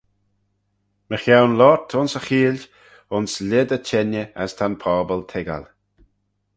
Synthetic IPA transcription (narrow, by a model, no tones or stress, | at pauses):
məxawnlɔɹtʰʊnsəxiːl | ʊnslʲɪd̪ət͡ʃʰɛnjəa̰st̪ʰanpʰɔːbəlt̪ʰɪɡa̰l